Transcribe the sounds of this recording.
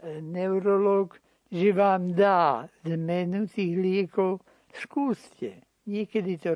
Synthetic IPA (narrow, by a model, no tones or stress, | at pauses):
nɛwɾolok | ʒɛʋaːmd̪aːzmɛnut̪iːɣlɪɛkow | skuːscɛ | ɲɪɛkɛd̪it̪o